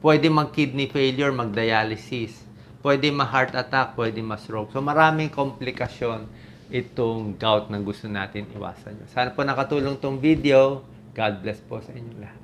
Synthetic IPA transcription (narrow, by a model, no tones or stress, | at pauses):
pwɛd̪ɛŋmɐɡ̚kid̪̚nɪfejljuɹmɐɡ̚d̪ɐjaːlɪsɪs | pwɛd̪ɛmɐɦaɹt̪ɐt̪ak̚pwɛd̪ɪŋmɐst̪ɹok̚somɐɾaːmɪŋkomplɪkɐʃjo̞n | ʔɪt̪oŋɡawt̪̚nɐŋɡʊst̪ona̰ːt̪ɪnʔɪ̰wa̰ːsɐ̰ɲo̰saːnɐponɐkɐt̪uːloŋt̪oŋvid̪eo̞ | ɡ̥ad̪̚blɛsposɐʔɪɲːolɐ